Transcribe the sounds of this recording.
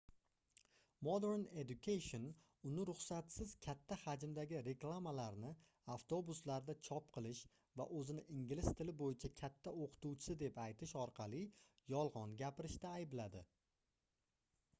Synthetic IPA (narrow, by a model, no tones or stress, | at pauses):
mod̪eɾned̪ʊkʰʲajʃon | ʊnɪɾʊχsat̪sɪz̥kʲʰat̪ʰːahad͡ʒɪmd̪aɡʲɪɾe̞klˠamalaɾnɪ | aft̪ʰo̞bʊslaɾd̪at͡ʃʰɒp̚qʰɨlˠɪʃ | va̰ʔɵzɪnɪʔɪŋɡʲɪlɪst̪ʰɪlɪbojɪt͡ʃʰakʲʰat̪ʰːaoqʰɨ̥t̪uwt͡ʃʰɪ̥sɪd̪e̞pajt̪ʰɪʃɒɾqʰɑlˠɪjɒlˠʁɒnɡʲapɪɾɪʃt̪aːjɪblad̪ɪ̰